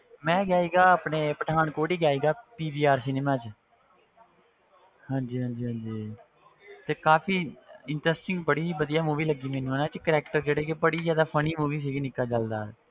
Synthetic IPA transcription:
mɛ̃ːɡjaːiːɡaːəːpneːpəʈʰaːɳkoːɽiːɡjaːiːɡaːpiːbiːaːɾsɪneːmaːt͡ʃ | hãːɲd͡ʒiːɦãːnd͡ʒiːɦãːnd͡ʒiː | t̪eːkaːpʰiːɪɳʈɾɛsʈɪ̃ŋɡbəɽiːbəd̪ijaːmuːʋiːləɡːiːmɛːnũːaːnãːt͡ʃkəɾɛːkʈəɾd͡ʒeːɽeːkebəɽiːd͡ʒjaːd̪aːpʰəniːmuːʋiːs̬iːɡinɪkːaːt͡ʃəld̪a̰ː

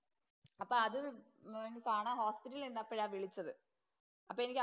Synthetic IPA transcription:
ɐpːoːɐðɨ | enikaːɳaːho̞ːspitːɐlilenːapːɐɻaːʋiɭit͡ɕːɐðɨ | ɐpːoːenikʲː

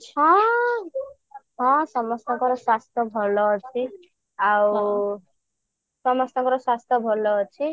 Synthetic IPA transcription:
t͡sʰʌ | ɦʌ̃sʌmʌst̪ʌkʌɾʌswast̪ʰʌbʱʌlʌt͡sʰi | aw | sʌmʌst̪ʌkʌɾʌswast̪ʰʌbʱʌlʌt͡sʰi

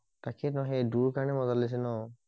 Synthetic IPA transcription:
takʰɛnɔɦeduɹkaɹɔnɛmɔzalis̬ɛnɔ

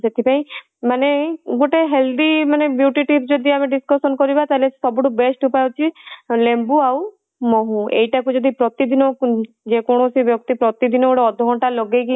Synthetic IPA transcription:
set̪ʰipaĩ | maneɡuʈeɦeld̪imanebjuʈiʈipd͡ʒɔd̪ʱiameɖiskɔsɔnkɔɾibat̪alesɔbɔʈubesʈupajot͡ʃʰilembuaw | mɔɦũḛjʈakud͡ʒɔd̪ʱipɾɔt̪id̪inɔ | d͡ʒekɔɽ̃ɔsibjɔkt̪ipɾɔt̪id̪inɔɡoɽeɔd̪ʱɔɦɔ̃ʈalɔɡeki

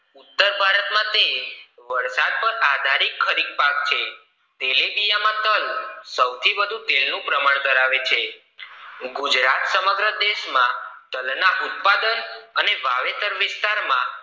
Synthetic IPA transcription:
ut̪ːəɾbʱaɾət̪mãt̪eʋəɾsad̪̚pəɾad̪ʱaɾikʰːəɾiɡ̪̚pak̚t͡ʃʰe | t̪elebijamãt̪əlsəwt̪ʰibəd̪ʱũt̪elnũpɾəmaɳ̃d̪əɾaʋet͡ʃʰe | ɡud͡ʒɾat̪səməɡɾəd̪eʃmãt̪əlnaʔut̪̚pad̪ənəneʋaʋet̪əɾʋɪst̪aɾmã

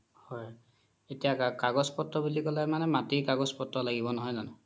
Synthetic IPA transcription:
hɔj | etijakakaɡɔspɔtɹɔbilikɔlajmanɛmatikaɡɔspɔtɹɔlaɡibɔnɔɦɔjnanʊ

